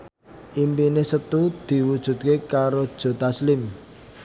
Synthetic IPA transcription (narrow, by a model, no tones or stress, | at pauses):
ʔimpinesət̪ud̪̥i̤wud̥ʒ̥ṳt̪̚kekaɾod̥ʒ̥o̤t̪aslɪm